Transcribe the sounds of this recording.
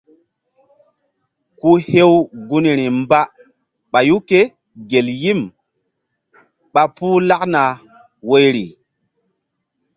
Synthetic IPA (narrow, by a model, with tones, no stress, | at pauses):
ku˦he˦wɡu˦ni˨ɾi˨mba˦ | ɓa˨ju˦ke˦ | ɡe˨lji˦m | ɓa˨puː˦la˦kna˨ | wo˦jɾi˨